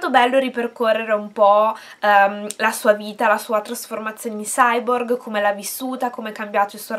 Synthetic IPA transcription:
t̪obɛlːoɾiperkorːeɾeumpɔ | mlasuːaviːt̪alasuːat̪ɾasformat̪sjoːned̪isajborɡkʰomelavisːuːt̪akomeɛkːambjaːt̪oilswɔ

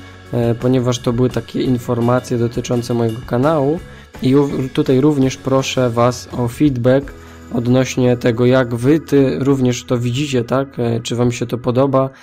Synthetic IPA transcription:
pɔɲɛvaʂt̪ɔbɘwɘt̪akʲɛinfɔɾmat̪sʲjɛd̪ɔt̪ɘt͡ʂɔnt̪sɛmɔjɛɡɔkanawu | iut̪ut̪ajɾuvɲɛʂpɾɔʂɛvasɔfʲid̪bɛk | ɔd̪nɔɕɲɛt̪ɛɡɔjaɡvɘt̪ɛɾuvɲɛʂt̪ɔvʲid͡ʑit͡ɕɛt̪akt͡ʂɘvamɕɛt̪ɔpɔd̪ɔba

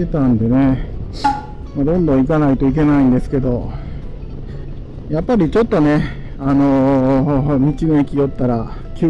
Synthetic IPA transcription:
et̪ãnd̪e̞ne̞ | mad̪õ̞nd̪õ̞ikanait̪o̞ik̬e̞naĩnd̪e̞sɨ̥ke̞d̪o̞ | japːaɾʲit͡ɕo̞t̪ːo̞ne̞ | ano̞ | mʲit͡ɕinoekʲijo̞t̪ːaɾa | kʲɨː

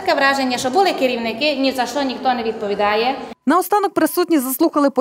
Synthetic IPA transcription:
kɛʋɾɑʒenʲːɐʃt͡ʃɔbʊlˠɪkɪɾʲiwnɪkɪnʲizɐʃt̪ɔnʲixt̪ɔnɛʋʲid̪̚pɔʋʲid̪ɑjɛnɐɔst̪ɑnɔk̚pɾɪsut̪ʲnʲizɐslˠuxɐlˠɪpɔ

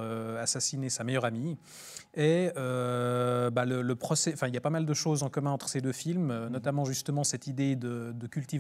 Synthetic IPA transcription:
øasasinesamɛjœʁami | ɛø | balələpχɔsɛɑ̃fɛ̃iljapamald̪əʃozɑ̃kɔmɛ̃ɑ̃t̪χəsed̪øfilmønɔt̪amɑ̃ʒyst̪əmɑ̃sɛt̪id̪ed̪əd̪əkʲylt̪iv

